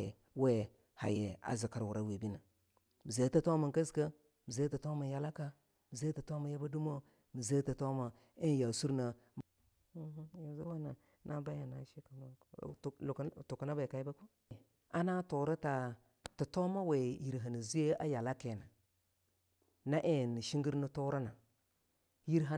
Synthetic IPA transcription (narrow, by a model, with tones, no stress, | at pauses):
we˦ | ha̰˨jḛ˨a̰˨zi˨ka˨ɾwu˨ɾa˦we˨bi˦na˨ | mi˨ze˨˦tə˦to˦ma˨ŋkə˦zka˦ | mi˨ze˦tə˨to˦ma˨ja˨la˦ka˦ | mi˨ze˦tə˨to˦ma˨˦ja˦ba˦du˦mo˦ | mi˨ze˦tə˨to˦ma˨ | ə˦n˦ja˨su˦ɾna˨m̩˦ | ji˨za˦wa˦na˨ | nʔa˦ba˦ja˨na̰˨ʃi˦ka˨ma˦˨ktu˨ka˨na˦ba˨ka˨i˦ba˦ko˦ | a˦na˦to˨ɾa˦ta˨ | tə˨to˦ma˦we˨ji˨ɾɦa˨nə˨zi˦e˦a˦ja˨la˦ke˨na˨ | na˦ʔe˦˨nə˨ʃi˦ŋɡi˦ɾnə˦to˦ɾa˦na˨ | ji˦ɾɦa˦